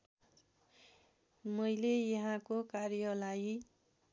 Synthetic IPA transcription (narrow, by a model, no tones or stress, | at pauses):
mʌjlejʌɦãkokarjʌlaj